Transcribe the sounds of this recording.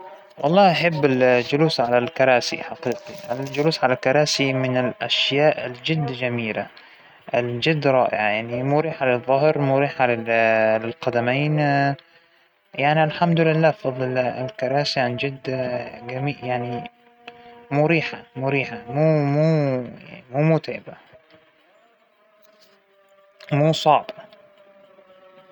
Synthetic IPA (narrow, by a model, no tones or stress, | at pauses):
wʔɑ̰lˤːɑːʔaħɪbːɪld͡ʒʊluːsʕalalkɑɾˤɑːsḭħɑqiːqiʔɪld͡ʒʊluːsʕalalkɑɾˤɑːsimɪnɪlʔaʃjaːʔɪld͡ʒɪd̪ːd͡ʒamiːla | ɪld͡ʒɪd̪ːɾˤɑ̰ːʔɪ̰ʕajaʕnimuɾiːħalɪðˤːʊɦɾmuɾiːħalɪlɪlqɑd̪ameːn | jaʕnialħamd̪lɪlːaːfɑðˤlɪ̰lkɑɾˤɑːsjaʕnid͡ʒɪd̪ːɡamiːjaʕni | muːɾiːħamʊɾiːħamuːmṵː | muːmuːt̪eːba | muːsˤɑʕba